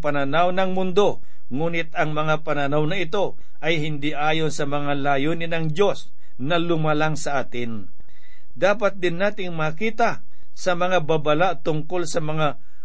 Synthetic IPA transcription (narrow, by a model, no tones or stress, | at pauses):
pɐnɐnawnɐŋmʊnd̪o̞ | ŋuːnɪt̪ɐŋmɐŋapɐnɐnawnɐʔɪt̪o̞ | ʔɐjhɪnd̪iʔaːjo̞nsɐmɐŋalaːjoːnɪnɐŋd͡ʒo̞s | nɐlʊmɐlaŋsɐʔaːt̪ɪn | d̪aːpɐt̪̚d̪ɪnːaːt̪ɪŋmakiːt̪ɐ | sɐmɐŋababɐlaʔt̪ʊŋko̞lsɐmɐŋa